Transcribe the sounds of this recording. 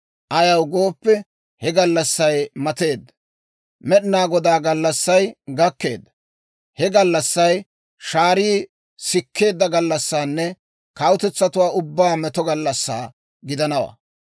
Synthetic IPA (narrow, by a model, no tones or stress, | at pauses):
ʔɐjɐwɡo̞ːpːɛ | hɛɡɐlːɐsːɐjmɐt̪e̞ːd̪ːɐ̥ | mɛɗɪnaːɡɔd̪aːɡɐlːɐsːɐjɡɐkːe̞̰ːd̪ːɐ̥ | hɛɡɐlːɐsːɐj | ʃaːɾiː | sɪkːe̞ːd̪ːɐɡɐlːɐsːaːnːɛ | kɐwʊt̪ɛt͡sːɐt̪ʊwaːʊbːaːmɛt̪ɔɡɐlːɐsːa̰ː | ɡɪd̪ɐnɐwa̰ː